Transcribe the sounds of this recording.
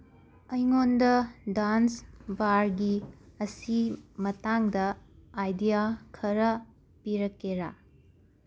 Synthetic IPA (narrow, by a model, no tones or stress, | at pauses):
ɐjŋondɐdansbaɾɡiɐsimɐtaŋdɐːjdijakʰɐɾɐ | piɾɐkːeɾa